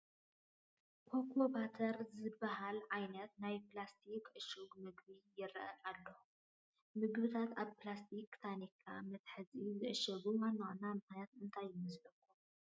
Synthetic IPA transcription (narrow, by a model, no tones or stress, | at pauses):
pʰokʰobat̪ʰɐɾzɨbːɐɦalʕajnɐt̪najplast̪ʰikʕɨʃuɡmɨɡbijɪɾɐ̰ʔɐnalːohu | mɨɡβɨt̪ʰat̪aβplast̪ʰikt̪ʰanikʰːamɐt̪ħɨzizɨʔɨʃɐɡumanːoʔnamɨχnjat̪ɨnt̪ʰajːɪmɐzʕɐkʰːu